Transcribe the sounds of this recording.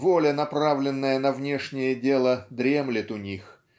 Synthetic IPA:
volʲənɐpɾavlʲɪnːəjənɐvnʲe̞ʂnʲɪjədʲe̞lˠəd̪ɾʲe̞mlʲɪt̪ʊnʲix

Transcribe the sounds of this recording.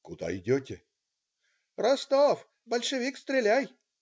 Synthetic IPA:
kʊd̪a̰ɪdʲɔtʲe | rɐst̪ɔf | bəlʲʂɨvʲikst̪ɾʲelʲæj

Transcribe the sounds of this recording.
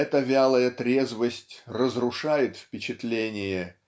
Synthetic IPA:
ɛt̪əvʲalˠəjət̪ɾʲe̞zvəsʲtʲrəzrʊʂajɪt̪fpʲɪt͡ɕɪt̪lʲenʲɪjə

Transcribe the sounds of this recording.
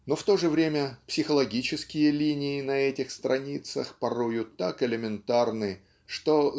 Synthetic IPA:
no̞ft̪o̞ʐɨvɾʲemʲəpsʲɪxəlˠɐɡʲit͡ɕɪskʲɪjəlʲinʲɪːnɐɛtʲɪxst̪ɾɐnʲit̪sə̰xpɐɾojʊt̪akɪlʲɪmʲɪnt̪arnɨ | ʂt̪o

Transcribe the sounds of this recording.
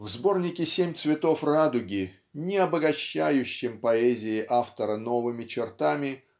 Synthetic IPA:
vzbo̞rnʲɪkʲɪsʲemʲt̪svʲɪt̪o̞frad̪ʊɡʲɪ | nʲɪɐbəɡɐɕːæjʉɕːɪmpɐɛzʲɪɪʔaft̪əɾəno̞vɨmʲɪt͡ɕɪrt̪amʲɪ

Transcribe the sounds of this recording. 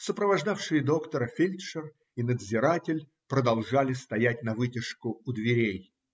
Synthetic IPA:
səpɾəvɐʐd̪afʂɨjɪd̪o̞kt̪əɾəfʲilʲt̪ʂər | inəd̪zʲɪɾatʲɪlʲ | pɾəd̪ɐlˠʐalʲɪst̪ɐjætʲnɐvɨtʲɪʂkʊʊd̪vʲɪɾʲej

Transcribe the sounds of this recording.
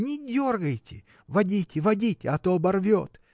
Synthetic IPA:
nʲɪdʲorɡəjtʲɪ̰ | vɐdʲitʲɪvɐdʲitʲɪɐt̪obɐrvʲot̪

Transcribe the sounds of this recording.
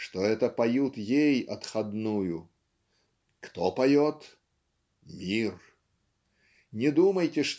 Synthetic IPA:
ʂt̪oɛt̪əpɐjut̪jejɐt̪xɐd̪nujʊ | kt̪opɐjot̪ | mʲir | nʲɪd̪uməjtʲɪʂt̪

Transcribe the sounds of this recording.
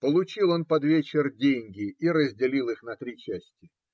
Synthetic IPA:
pəlˠʊt͡ɕilˠo̞npɐd̪vʲet͡ɕɪrdʲenʲɡʲɪiɾəzʲdʲɪlʲilˠɨxnɐt̪ɾʲit͡ɕæsʲtʲɪ

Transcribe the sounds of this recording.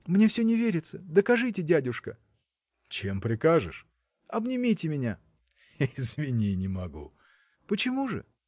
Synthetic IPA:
mnʲefsʲɵnʲɪvʲeɾʲɪt̪səd̪əkɐʐɨtʲɪdʲædʲʊʂkə̰ | t͡ɕe̞mpɾʲɪkaʐɨ̰ʂ | ɐbnʲɪmʲitʲɪmʲɪnʲa | ɪzvʲɪnʲinʲɪmɐɡṵ | pət͡ɕɪmuʐɨ̰

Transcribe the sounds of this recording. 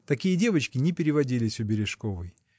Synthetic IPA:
t̪ɐkʲijədʲe̞vət͡ɕkʲɪnʲɪpʲɪɾʲɪvɐdʲilʲɪsʲʊbʲɪɾʲɪʂkovɨj

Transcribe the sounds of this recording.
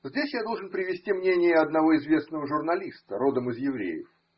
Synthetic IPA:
zʲdʲesʲjad̪o̞lˠʐɨnpɾʲɪvʲɪsʲtʲimnʲenʲɪjəɐd̪nɐvo̞ɪzvʲe̞snəvəʐʊrnɐlʲist̪əɾo̞d̪əmɨzjɪvɾʲḛjɪ̰f

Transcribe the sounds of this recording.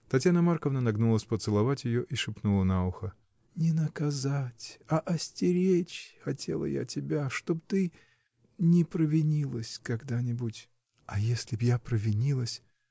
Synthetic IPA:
t̪ɐtʲjanəmarkəvnənɐɡnulˠəsʲpət̪sɨlˠɐvatʲjɪjoʔiʂɨpnulˠənaʊxə | nʲɪnəkɐzatʲɐʔɐsʲtʲɪɾʲet͡ɕxɐtʲʰe̞̰lˠə̰ja̰tʲɪbʲaʂt̪o̞pt̪ɨ | nʲɪpɾəvʲɪnʲilˠəsʲkɐɡd̪anʲɪbutʲ | ɐjesʲlʲɪbjapɾəvʲɪnʲilˠəsʲ

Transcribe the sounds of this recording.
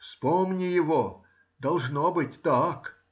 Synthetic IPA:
fspomnʲɪjɪvo | d̪ɐlˠʐnobɨtʲt̪ak

